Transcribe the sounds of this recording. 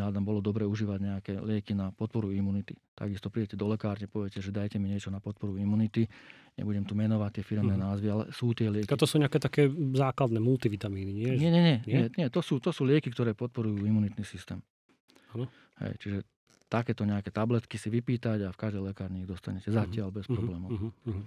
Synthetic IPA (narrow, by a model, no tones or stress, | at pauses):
ad̪ambɔlɔd̪ɔbɾɛuʒiːʋaɟɲɛakɛːlɪɛkinapɔt̪̚pɔɾuimuːnit̪it̪a̰ɡist̪ɔpɾiɟɛcɛd̪ɔlɛkaːɾɲɛpɔʋɛcɛʒɛd̪ajcɛmiɲɪɛt͡ʃɔnapɔt̪̚pɔɾuimuːnit̪iɲɛ̰buɟɛmt̪umɛnɔʋact̪ːɪɛfiɾɛmnɛːnaːzʋialɛ̰suːt̪ɪɛlɪɛkt̪ɔsuːɲɛakɛt̪akɛːzaːklad̪nɛːmult̪iʋit̪amiːniɲɪɛɲɛɲɛɲɛɲɲɛɲɛt̪ɔsuːt̪ɔsuːlɪɛkikt̪ɔɾɛːpɔt̪̚pɔɾujuːimunit̪nisist̪ɛ̰ːm | anɔ | hɛ̰jt͡ʃiʒɛ | t̪akɛːt̪ɔɲɛakɛːt̪ablɛt̪kisiʋipiːt̪aɟafkaʒd̪ɛjlɛkaːɾɲɛiɣd̪ɔst̪aɲɛcɛzacɪalbɛspɾɔblɛːmɔ